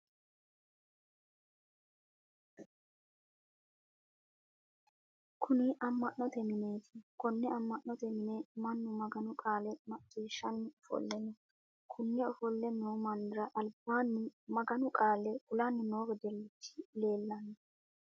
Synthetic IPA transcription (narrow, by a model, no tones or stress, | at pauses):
kʰʊnɪʔɐmːɐʔnɔt̪ɛmɪne̞ːt̪ʰɪ̥kɔnːɛɐmːɐʔnɔt̪ɛmɪnɛmɐnːʊmɐɡɐnʊkʼaːlɛmɐkʼːiːʃːɐnːɪɔfɔ̰lːɛnːɔ | kʰʊnːɛɔfɔlːɛnːɔwmɐnd̪ɪɾɐʔɐlbaːnːɪmɐɡɐnʊkʼaːlɛɡʊlanːɪnoːɡɔd̪ɛlːɪt̪ːɪ̥le̞ːlːɐnːɛ